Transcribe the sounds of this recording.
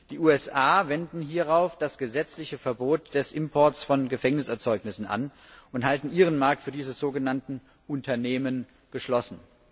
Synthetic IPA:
d̥iːʔuːɛsʔaːvɛndn̩ɦiːɐʁaʊfd̥asɡ̥əzɛt͡slɪçəfɛɐboːtd̥ɛsʔɪmpʰɔɐsfɔnɡəfɛŋnɪsɛɐt͡sɔʏknɪsn̩ʔa̰n | ʔʊnthaltn̩ʔiːʁ̞ənmaɐk̚tfyːɐdiːzəzoːɡənantn̩ | ʔʊntʰɐneːmən | ɡ̥əʃlɔsn̩

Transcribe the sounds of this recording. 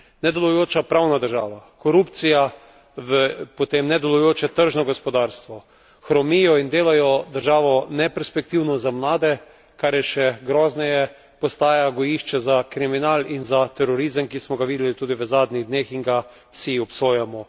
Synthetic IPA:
nɛd̪ɛlɔjoːt͡ʃapɾawnad̪əɾʒaːʋakɔɾupt̪sija | ʋəpot̪eːmnɛd̪ɛlɔjoːt͡ʃɛt̪əɾʒnɔɡɔspɔd̪aɾst̪ʋɔ | xɾɔmijɔind̪eːlajɔd̪əɾʒaːʋɔnɛpɛɾspɛk̚t̪iwnɔzamlaːd̪ɛ | kaɾjɛʃɛɡɾɔːznɛjɛ | pɔst̪aːjaɡɔjiʃt͡ʃɛzakɾiminalinzat̪ɛɾɔɾizəmkismɔɡaʋiːd̪ɛlit̪uːd̪iʋəzaːd̪niɣd̪neːxinɡa | wsiɔpsoːjamɔ

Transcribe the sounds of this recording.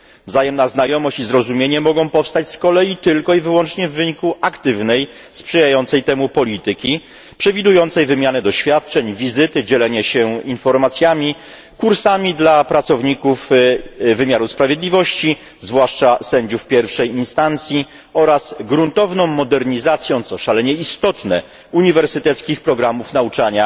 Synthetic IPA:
vzajɛmnaznajɔmɔɕt͡ɕizɾɔzumʲjeɲɛmɔɡɔ̃w̃pɔfst̪at͡ɕskɔlɛjit̪ɘlkɔivɘwɔnt͡ʂɲɛvːɘɲikuʔakt̪ɘvnɛj | spʂɛjajɔnt̪sɛjt̪ɛmupɔlʲit̪ɘkʲi | pʂɛvʲid̪ujɔnt̪sɛjvɘmʲjanɛd̪ɔɕfʲjat̪̚t͡ʂɛɲvʲizɘt̪ɘd͡ʑɛlɛɲɛɕɛinfɔɾmat̪sʲjamʲi | kuɾsamʲid̪lapɾat̪sɔvɲikuf | vɘmʲjaɾuspɾavʲjed̪lʲivɔɕt͡ɕi | zvwaʂt͡ʂasɛɲd͡ʑufpʲjɛɾfʂɛjinst̪ant̪sʲji | ɔɾasɡɾunt̪ɔvnɔ̃w̃mːɔd̪ɛɾɲizat̪sʲjɔ̃w̃t̪sɔʂalɛɲɛist̪ɔt̪nɛ̰ | uɲivɛɾsɘt̪ɛt̪skʲixpɾɔɡɾamufnaut͡ʂaɲa

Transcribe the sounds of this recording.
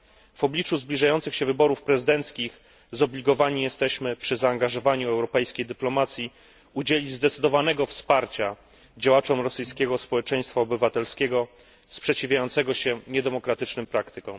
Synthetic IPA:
v̥ɔblʲit͡ʂuzblʲiʐajɔnt̪sɘxɕɛvɘbɔɾufpɾɛzɘd̪ɛnt̪skʲix | zɔblʲiɡɔvaɲijɛst̪ɛɕmɘpʂɘzaːŋɡaʐɔvaɲuɛwɾɔpɛjskʲejd̪ɘplɔmat̪sʲji | ud͡ʑelʲid͡ʑzd̪ɛt̪sɘd̪ɔvanɛɡɔfspaɾt͡ɕa | d͡ʑawat͡ʂɔmɾɔsɘjskʲɛɡɔspɔwɛt͡ʂɛj̃st̪faɔbɘvat̪ɛlskʲɛɡɔ | spʂɛt͡ɕivʲjajɔnt̪sɛɡɔɕɛɲɛd̪ɛmɔkɾat̪ɘt͡ʂnɘmpɾakt̪ɘkɔ̃w̃

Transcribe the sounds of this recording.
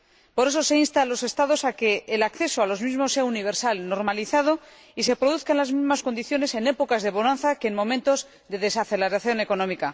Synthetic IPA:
po̞ɾe̞s̬o̞se̞inst̪alo̞se̞st̪aðo̞sake̞ːlakθe̞soalo̞zmizmosːe̞auniβ̞e̞ɾsalno̞ɾmaliθað̞o̞ | ise̞pɾo̞ðuθkanlazmizmasko̞nd̪iθjo̞ne̞se̞ne̞po̞kazðe̞βo̞nãnθakeːnmõ̞mẽnt̪o̞z | ðe̞ðe̞saθe̞leɾaθjo̞ne̞ko̞nõmika

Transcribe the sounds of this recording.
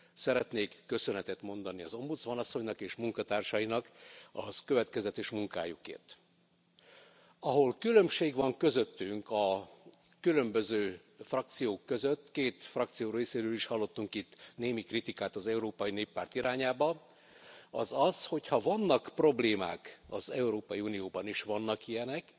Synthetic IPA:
sɛɾɛt̪neːkːø̞sø̞nɛt̪ɛt̪mo̞n̪d̪ɒniɒ̰zo̞mbud̪zmɒnɒsːo̞ɲnɒkeːʃmuŋkɒt̪aːrʃɒjinɒkɒkø̞vɛt̪kɛzɛt̪eːʃmuŋka̰ːjukḛːrt̪ | ɒɦo̞lkylø̞mʃeːɡʋɒŋkø̞zøt̪ːyŋkɒ | kylømbø̞zøː | frɒk̚t̪sijoːkːø̞zøt̪ːkeːt̪frɒk̚t̪sijoːɾeːseːvøliʃhɒlːo̞t̪ːuŋkit̪ːneːmikrit̪ikaːt̪ɒzɛuɾoːpɒjineːpːaːrt̪iɾʔaːɲaːbɒ | ɒzɒzho̞chɒvɒnːɒkpro̞bleːma̰ːkɒzɛuɾoːpɒjiuːnijoːbɒniʃʋɒnːɒkijɛnɛk

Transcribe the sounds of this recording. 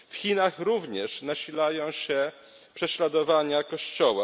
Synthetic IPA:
fxʲinaxɾuvɲɛʂnaɕilajɔ̃w̃ɕɛ | pʂɛɕlad̪ɔvaɲakɔɕt͡ɕɔwa

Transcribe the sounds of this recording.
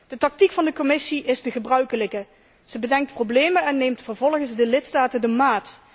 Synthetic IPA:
d̥ətɑk̚tikfɑndəkomɪsiʔɪzdəχəbrœɥkələkə | z̥əbədɛŋk̚tprowblejmənɛnːejmtfəɹvɔlˠχənsdəlɪtstaːtəndəmaːt

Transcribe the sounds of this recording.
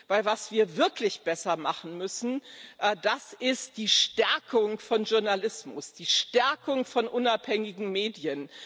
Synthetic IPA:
v̥aɪlvasv̥iːɐvɪɐklɪçb̥ɛsɐmaχn̩mʏsn̩ʔd̥asɪst̚d̥iːʃtɛɐkʰʊŋfɔnʒʊɐnalɪsmʊsd̥iːʃtɛɐkʊŋfɔnʔʊnaphɛŋɪɡŋ̩meːdjən

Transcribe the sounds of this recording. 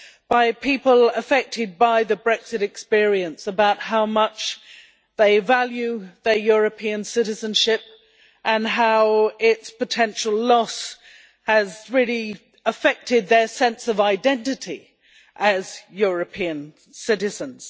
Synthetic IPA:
b̥aɪpʰipəlˠəfɛk̚tʰɨd̚baɪðɨbɹɛksɨɾɨkspɪɹiɨ̃nsəbaʊt̚haʊmʌt͡ʃ | ðeɪvælˠjʉðə˞jʊɹɨpʰiɨ̃nsɪɾɨzə̃nʃɪp̚ | ʔə̃nɦaʊɪtspɨtʰɛ̃nʃl̩ˠlɔs | ɨzɹɪli | əfɛk̚tɪd̪̚ðə˞sɛ̃nsʌvaɪdɛ̃ntɨɾi | ʔɨz̥jʊɹɨpʰiɨ̃n | sɪɾɨzə̃nz̥

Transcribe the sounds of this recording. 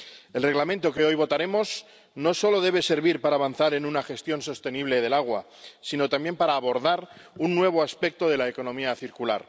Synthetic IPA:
e̞lre̞ɣlamẽnt̪oke̞o̞jβo̞t̪aɾe̞mo̞s | no̞so̞lo̞ðe̞β̞e̞se̞ɾβiɾpaɾaːβanθaɾe̞nunaxe̞st̪jo̞nso̞st̪eniβ̞le̞ð̞e̞laɣ̞wa̰ | sino̞t̪amje̞mpaɾaːβo̞ɾðaɾunːwe̞β̞o̞aspe̞k̚t̪o̞ðe̞laeko̞nõ̞miaθiɾkula̰ɾ

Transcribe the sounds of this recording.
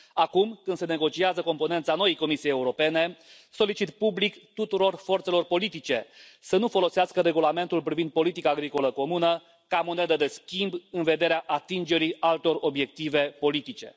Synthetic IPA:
akumkɨnd̪sene̞ɡo̞t͡ʃiazəko̞mpo̞nent̪sano̞jejko̞misijejeuɾo̞pe̞ne̞ | so̞lit͡ʃit̪publikt̪ut̪uɾo̞rfo̞rt̪se̞lo̞rpo̞lit̪it͡ʃe̞sənufo̞lo̞seaskəɾe̞ɡulame̞nt̪ulpɾivind̪̚po̞lit̪ikaːɡɾiko̞ləko̞munə | kamone̞d̪əd̪e̞skʲimbɨnve̞d̪e̞ɾeaʔat̪ind͡ʒe̞ɾialt̪o̞ro̞bje̞k̚t̪ive̞po̞lit̪it͡ʃe̞̰

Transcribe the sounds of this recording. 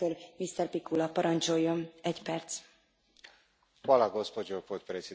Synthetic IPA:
øɾmist̪ɛrpikulɒpɒɾɒnt͡ʃo̞jːo̞mɛcpɛrt̪s | walaɡospod͡ʒopot̪pɾesi

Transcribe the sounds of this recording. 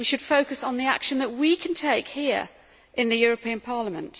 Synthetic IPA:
iʃəd̥foʊkəsn̩ðia̰kʃə̃nðəʔwikʰə̃ntʰeɪkhiəɹ | ʔɪ̃nðɨjɔːɹəpʰĩə̃npʰɑːləmə̃nt

